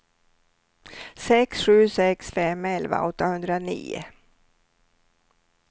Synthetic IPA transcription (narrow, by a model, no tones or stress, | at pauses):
sɛksɧʉ̟ːsɛksfɛmːɛlva̰ɔt̪ːahɵnd̪ɾanḭːʊ̰